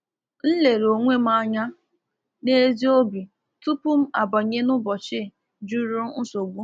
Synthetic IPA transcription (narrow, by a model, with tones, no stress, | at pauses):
n̩˦le˨ɾo˨ŋʷe˦m̩˦a˦ɲa˦ | ne˦zi˦o˦bi˨ | tu˦pʊ˦m̩˦a̰˨ba˨ɲe˦nʊ˦bɔ˨t͡ʃɪ˦˨ | d͡ʒu˦ɾʊ˦n̩˦so˨ɡʷu˦